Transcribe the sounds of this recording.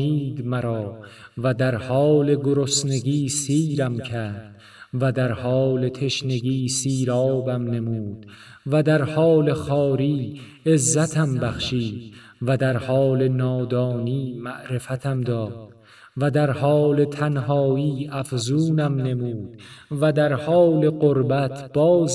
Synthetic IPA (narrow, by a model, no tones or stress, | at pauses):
iːd̪mæɾɒː | væd̪æɾhɒːle̞ɡoɾosne̞ɡiːsiːɾæmcʰæd̪̥ | væd̪æɾhɒːle̞t̪ʰe̞ʃne̞ɡiːsiːɾɒːbæmne̞muːd̪̥ | væd̪æɾhɒːle̞χɒːɾiː | e̞zːæt̪ʰæmbæχʃiːd̪ | væd̪æɾhɒːle̞nɒːd̪ɒːniːmæʔɾe̞fæt̪ʰæmd̪ɒːd̪̥ | væd̪æɾhɒːle̞t̪ʰænɦɒːiːæfzuːnæmne̞muːd̪væd̪æɾhɒːle̞ɢoɾbæt̪ʰb̥ɒːz